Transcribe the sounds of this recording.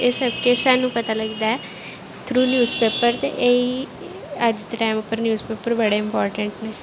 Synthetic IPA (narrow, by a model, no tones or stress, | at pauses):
eːsəb̚kesaːnũːpət̪aləɡd̪aːɛː | t̪ʰɾuːnjuːzpeːpəɾt̪ḛʔei | əd͡ʒt̪ʈaːɪmʊpːəɾnjuːzpeːpəɾbəɽeːɪmpɔːɾʈəɳʈneː